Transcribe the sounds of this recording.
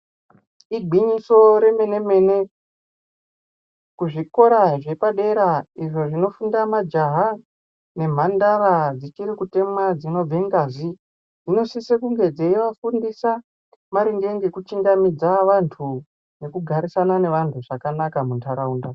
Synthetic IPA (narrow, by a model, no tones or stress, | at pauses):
iɡʱiɲiso̞ɾe̞me̞ne̞me̞ne̞ | kuʐiko̞ɾaʐe̞paɗe̞ɾaiʐo̞ʐino̞fundamad͡ʒaɦa | ne̞m̤andaɾad͡zit͡ʃiɾikute̞mwad͡zino̞b͡vʱeŋɡazi | ino̞sisekuŋɡe̞d͡zeiʋafundisa | maɾiŋɡe̞ŋɡe̞kut͡ʃiŋɡamid͡zaʋantʰu | ne̞kuɡʱaɾisanane̞ʋantʰuʐakanakamuntʰaɾauːnda